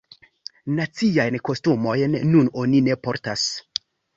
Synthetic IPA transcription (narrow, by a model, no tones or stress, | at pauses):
nat͡siajnko̞stumo̞jnːuno̞nine̞po̞ɾtas